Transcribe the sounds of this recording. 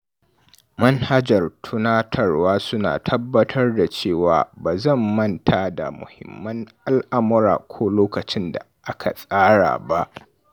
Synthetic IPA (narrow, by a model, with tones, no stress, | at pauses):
mɐ˦nha˦d͡ʒɐ˨rtʰʊ˦naː˦tʰɐ˨rwaː˦sʊ˦na̰ː˨tʰɐ˦bːɐ˦tʰɐ˦rda˨t͡ʃeː˦˨wa̰ː˨baː˨zɐ˦˨mːɐ˦ntʰa˨˦da̰˨mʊ̰˨hɪ̰˨mːɐ˦ŋʔa˦lʔa˦mʊ˦ɾa̰ː˨kʷʰoː˦loː˦kɐ˨t͡ʃɪ˦nda̰˨ʔa˦kʰa̰˨sʼaː˦ɽa̰ː˨ba˦ʔ